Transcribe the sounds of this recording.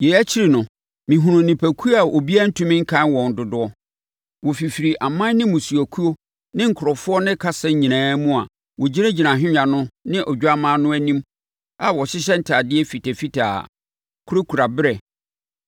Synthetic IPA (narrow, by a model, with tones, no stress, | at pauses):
jɛ˨æ˦t͡ɕʰɪ˦ɾi˨nʊ̃˨ | mɪ̃˨ɦʊ̃˨ʊ̃˨nɪ̃˨pʰæ˨kʰu˦a˨ʔo˨bi˦a˦n̩˦tʰũ˦mɪ̃˦ŋ̩˦kʰã˦nwɔ̃˨n̩˨dʊ˨dʊ˦ɔ˦ | wɔ˨fi˨fi˨ɾi˨ʔa˨mã˦n˦nɪ̃˦mʊ̃˨su˨æ˨kʰu˦o˦ | nɪ̃˦ŋ̩˨kʰʊ˨ɾɔ˨fʊ˦ɔ˦nɪ̃˦kʰa˦sɛ̃˦ɲĩ˨nãː˨˦mũ˦a̰˨ | wɔ˨d͡ʑi˦ɾe˦d͡ʑi˨nã˨ɦᶣɪ̃˦ɲã˨nʊ̃˦nɪ̃˦ʔɔ˨d͡ʑᶣu˦a˦mã˦nʊ̃˦æ˦nĩ˦m | a˨wɔ˨ɕɪ˦ɕ̬ɛ˦n̩˦tʰa˨dɪ˦ɛ˦fi˨tʰɛ˨fi˦tʰa̰ː˨ | kʰʊ˦ɾo˦kʰu˨ɾa˨bɪ˦ɾɛ˨